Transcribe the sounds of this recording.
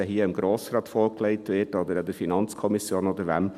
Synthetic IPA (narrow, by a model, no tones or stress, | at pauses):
ɛɦiəəmɡɾoːsɾɑːtfoːɾkleɪtʋɪːtod̪əɾɑd̪əɾfinɑnt͡skʰɔmisjoːnod̪əɾʋæ̰m